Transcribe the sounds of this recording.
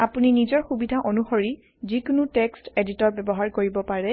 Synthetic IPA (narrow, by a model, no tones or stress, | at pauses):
apuninizɔɹxubidʱaʔonuxoɹi | zikʊnuteksteditɔɹbɛbɔɦaɹkoɹibɔpaɹɛ